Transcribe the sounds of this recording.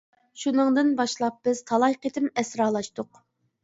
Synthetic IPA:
ʃunɨŋd̪ɨnbɑʃlˠɑp̚b̥ɪz̥t̪ʰɑlˠɑjqet̪ʰɪmɛsɾɑːlˠɑʃt̪ʊq

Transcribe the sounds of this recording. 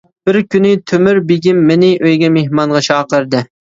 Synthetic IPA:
b̥ɪɾkʲynɪt̪ʰømyɾbeɡʲimːɪnɪʔøjɡʲɛmehmɑnʁɑt͡ʃʰɑːqəɾd̪ɨ

